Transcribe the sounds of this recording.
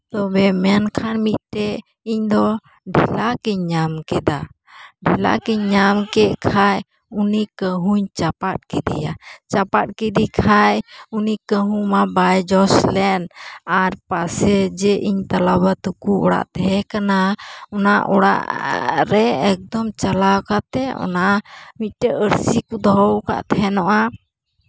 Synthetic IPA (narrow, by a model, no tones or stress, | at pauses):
t̪ɔbɛmɛnkʰanmit̪̚ˀʈɛ | iɲd̪ɔ | ɖʱilakɛɲɲamkɛd̪a | ɖʱila̰kɛɲːamkɛʔkʰaj | unikəɦuɲt͡ʃapat̪̚kɛd̪ḭja̰t͡ʃapat̪̚ˀkɛd̪ikʰajunikəɦumabajd͡ʒɔslɛnaɾpasɛd͡ʒɛʔiɲt̪alaβat̪ukuɔ̰ɽa̰ʔt̪ɛɦɛkanaɔnaʔɔɽa̰ʔɾɛɛk̚d̪ɔmt͡ʃalawkat̪ɛɔ̰namic̪̚ʈɛəɾsikud̪ɔɔwka̰ʔt̪ʰɛɦɛnɔʔa